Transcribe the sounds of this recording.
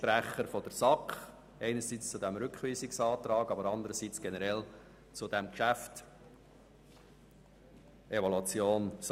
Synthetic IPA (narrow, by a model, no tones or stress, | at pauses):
pɾæχəɾfɔd̥̪əɾsɑkχ | ɛɪnəɾsiːt͡st͡sud̪æmɾʏkχʋiːsɪksɑːt̪ɾɑːɡɑbəɾɑnd̪əɾəsit͡sɡ̥ɛnəɾɛl | t͡sud̪æmkʃæft | evɔlut͡sjoːns